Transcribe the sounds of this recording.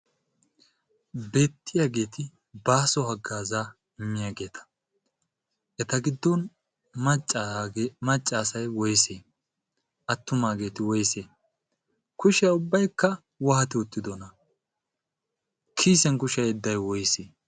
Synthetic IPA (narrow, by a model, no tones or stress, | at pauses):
beːt̪ːɪjaːɡe̞ːt̪ɪ | baːsɔhɐɡːaːzaː | ɪmːɪjaːɡe̞ːt̪ʰɐ̥ | ʔɛt̪ɐɡɪd̪ːɔnʼ | mɐt͡ʃʼːaːsɐjwɔjseː | ʔɐt̪ːʊmaːɡe̞ːt̪ɪwɔjseː | kʊʃɛjaʊbːɐjkːɐ | wɐhɐt̪ɪʊt̪ːɪd̪ɔnɐ | kʰiːsɛnkʊʃɐjɛd̪ːɐjwɔjseː